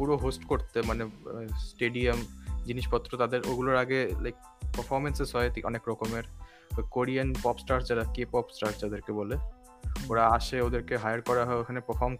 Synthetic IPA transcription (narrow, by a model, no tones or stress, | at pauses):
puɾoɦosʈkoɾt̪emanesʈeɖiamd͡ʑiniʃpɔt̪ːɾot̪ad̪eɾoɡuloɾaɡelajk̚ | pəɾfʰɔɾmensesɔet̪iʔɔ̰nekɾɔkomeɾ | koɾianpɔpsʈaɾd͡ʑaɾakepɔpsʈaɾsd͡ʑad̪eɾkebɔle | oɾaaʃeod̪eɾkeɦajaɾkɔɾaɦɔeekʰanepəɾfʰɔɾm